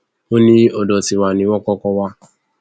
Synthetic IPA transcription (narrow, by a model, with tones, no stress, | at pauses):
o˦nĩ˦ɔ˨dɔ˨ti˨wa˨nĩ˨˦wɔ̃˦kɔ˦kɔ˦wa˦